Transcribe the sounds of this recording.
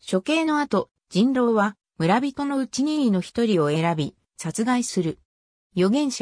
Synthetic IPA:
ɕo̞ke̞ːno̞at̪o̞ | d͡ʑĩnɾo̞ːβa | mɯ̟ɾabʲit̪o̞no̞ɯ̟t͡ɕiɲ̟ino̞çi̥t̪o̞ɾʲio̞e̞ɾabʲi | sat͡sɨɡaisɨɾɯ̟ | jo̞ɡẽ̞ɰ̃ɕa

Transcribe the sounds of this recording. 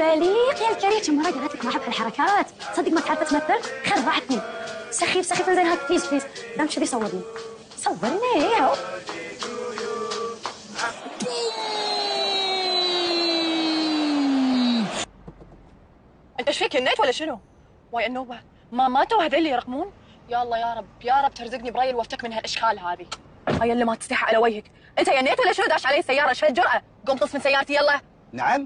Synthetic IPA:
baliːqjalkaɾiːt͡ʃamːɑɾˤɑɡalaːt̪lakmaːħɪbʕalħɑɾˤɑkaːt̪ | sˤɑd̪ːikmat̪ʕɑɾˤfat̪maθːɪlxɑrˤːɑʕt̪nisaxːifsaxifilzeːnhaːkfliːzfliːzd̪amʃɪðijsˤɑwːɨɾni | sˤɑwːɨɾˤni | ʔɪnt̪aʃfiːkanːeːt̪walːaʃɪnu | waːjanːoːba | mamat̪awahd̪ilːijɾˤɑqːmuːn | jaʔɑlˤːɑːjaːɾˤɑbjaːɾˤɑb̚ːt̪ɪɾzɪɡnibɾɑːjɪlwaft̪akmɪnhalʔaʃkʰaːlɦaːði | hajːalːimat̪st̪aħʕʔalawajhak | ʔɪnt̪ajanːeːt̪wlːaʃɪnud̪aʕʃʕaleːsːajːɑːɾˤɑʃat̪d͡ʒʊɾˤʔa | ɡʊmt̪ˤɨsˤmɪnsajːɑːɾˤt̪ijɑlˤːɑ | naʕam

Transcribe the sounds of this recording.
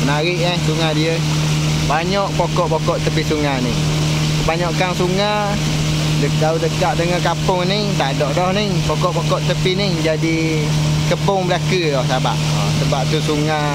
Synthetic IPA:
naɾɪʔahsuŋadiə | baɲɔʔpokɔʔpokɔʔt̪əpɪsuŋanɪŋ | kəbaɲɔʔkaŋsuŋa | dədaudəkaʔdəŋəkapʊŋniht̪adɔʔdɔhnɪhpokɔʔpɔkɔʔt̪əpinɪhd͡ʒadi | kəpʊŋbəlakədɔsabaʔ̚ɔsəbap̚t̪usuŋa

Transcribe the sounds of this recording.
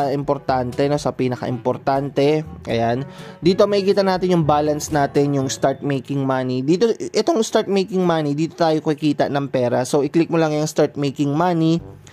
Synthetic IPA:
ʔɪmpoɾt̪ant̪ɛno̞sɐpiːnɐkɐ̰ʔɪmpoɾt̪ant̪ɛʔɐ̰jand̪iːt̪o̞mɐkɪkiːt̪ɐnaːt̪ɪnjʊŋbaːlɐnsnaːt̪ɛnjʊŋst̪aɹt̪̚mejkɪŋmanid̪iːt̪o̞ʔɛt̪o̞ŋst̪aɹt̪̚mejkɪŋmanid̪iːt̪ot̪aːjokɐkɪkiːt̪ɐ̰ʔnɐŋpɛːɾɐso̞wʔɪklɪk̚molɐŋjɐŋst̪aɹt̪̚mejkɪŋmani

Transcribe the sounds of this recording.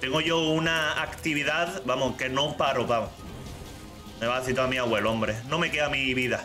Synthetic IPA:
t̪eŋɡoʝounaakt̪iβiðaðbamoke̞nopaɾopao | meβaeθit̪oamĩaɣweloõmbɾenõme̞keamiβiða

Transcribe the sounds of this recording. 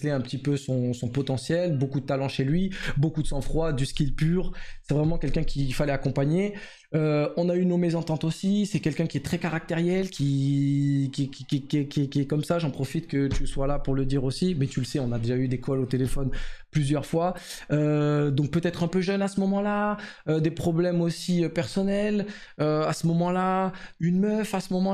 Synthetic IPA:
lɛɛ̃pət̪ipøsɔ̃sɔ̃pɔt̪ɑ̃sjɛlbokud̪ət̪alɑ̃ʃelɥibokud̪əsɑ̃fχwad̪ysə̥kʲilpyːʁsɛvʁɛmɑ̃kʲɛlkʲɛ̃kʲʰifalɛakɔ̃paɲe | øɔ̃naynomɛzɑ̃t̪ɑ̃t̪osisɛkʲɛlkʲɛ̃kʲiɛt̪χɛkaʁak̚t̪eʁjɛlkʲʰi | kʲɛkʲikʲɛkʲɛkʲiɛkʲiɛkɔmsaʒɑ̃pχɔfit̪kət̪yswalapuʁləd̪iʁosimɛt̪yləsɛɔ̃nad̪eʒayd̪ekɔlot̪elefɔnplyzjœʁfwa | ød̪ɔ̃k̚pøt̪ɛt̪χɛ̃pøʒœnasəmɔmɑ̃la | ød̪epχɔblɛmosiøpɛʁsɔnɛl | øasəmɔmɑ̃laynmœfasəmɔmɑ̃

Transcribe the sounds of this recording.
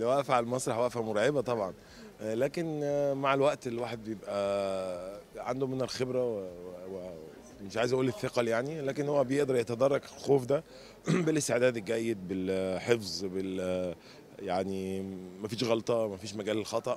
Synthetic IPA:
lewæʔfʕalmɑsˤɾˤɑħwæʔfæmoɾˤɑʕebæt̪ˤɑbʕɑn | læːkenmaʕelwæʔt̪elːwaːħed̪̚bejebʔæ | ʕand̪omenælxebɾæwewwe | meʃʕaːjezʔæʔuːleθːeqɑljaʕnilæːkenhowːæbejeʔd̪ɑɾˤjet̪æd̪ɑrˤːɑɡlxoːfd̪æ | belʔest̪eʕd̪æːd̪elɡæjːed̪̚belħefzˤbel | jaʕnimæfiːʃɣɑlt̪ˤɑmæfiːʃmæɡæːlelxɑt̪ˤɑʔ

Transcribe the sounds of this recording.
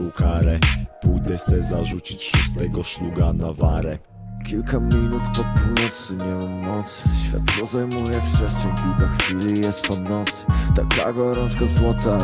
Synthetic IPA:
wkaɾɛpujd̪ɛsɛzaʐut͡ɕit͡ɕʂust̪ɛɡɔʃluɡanavaɾɛ | kʲilkʰamʲinut̪pɔpʰunɔt̪sɨmɛwɛnɔt̪sɕfʲja̰t̪ɡɔzajmujɛft̪ɛsɛkʲilkaxfʲilijɛst̪pɔnɔt̪st̪akla̰ɡɔɾɔ̃nskazwɔt̪a

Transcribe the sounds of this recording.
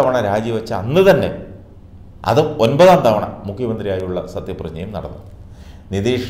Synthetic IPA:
ɐʋɐɳɐɾaːd͡ʑjiʋɐt͡ɕːɐɐ̰nːɨt̪ɐnːe̞̰ | ɐ̰ðɨo̞nbɐðaːnt̪ɐʋɐɳɐ̰mukʰjɐmɐnd̪ɾijaːjiuɭːɐsɐt̪jɐprɐd͡ʑɲːɐjumnɐ̰ɽɐ̰nːṵ | nid̪iːʂ

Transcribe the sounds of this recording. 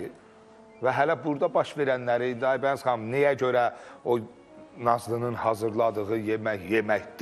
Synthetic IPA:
væɦælæbuɾd̪ɑbɑʃve̞ɾænːæɾiind̪iɑjbænzχɑmnijæɟø̞ɾæo | nɑzlˠɯnɯnhɑzɯɾlˠɑd̪ɯɣɯjemæçje̞mæçd̪

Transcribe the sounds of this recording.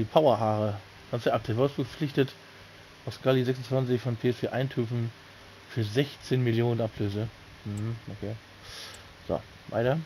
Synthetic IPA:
diːpʰaʊɐɦaːʁə | ɡ̥ansd̥ɛʔap̚tʰɛːvaɐdstd̥uːɡəflɪçtət | ʔaʊfskalizɛksʊn̩t͡sv̥ant͡sɪçfɔnpʰeːɛsfeːʔaɪntʰyːfn̩ | fyːɐzɛçt͡seːnmɪljoːnənʔapʰløːzə | m̩hm̩ʔokʰeː | z̥o̰ | va̰ɪtɐ

